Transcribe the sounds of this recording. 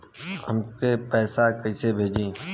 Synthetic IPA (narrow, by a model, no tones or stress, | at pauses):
ɦə̰mkeːpɛːsaːkəiseːbʱeːd͡ʒẽː